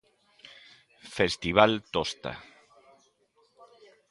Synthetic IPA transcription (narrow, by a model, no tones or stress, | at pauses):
fest̪iβalt̪ost̪a̰